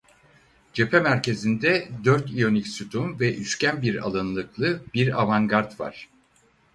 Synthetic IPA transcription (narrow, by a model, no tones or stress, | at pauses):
d͡ʒe̞pʰɛmæɾcʰe̞zind̪ɛd̪øɾt̪ijo̞nicsyt̪ʰumvɛʔyʃcænbiɾa̰lˠɯnlˠɯklˠɯbiɾavaŋɡaɾt̪va̰ɾ̥